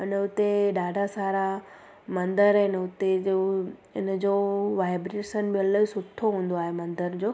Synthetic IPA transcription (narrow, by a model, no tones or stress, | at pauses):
ɪnəʊt̪eɗaːɖʱasaːɾa | mɐ̃nd̪əɾɪnəʊt̪eoɪnəd͡ʑoʋaːɪbɾeːʃənbɪələsʊt̪ʰːoɦũːnd̪oaːɦemɐ̃nd̪əɾd͡ʑoː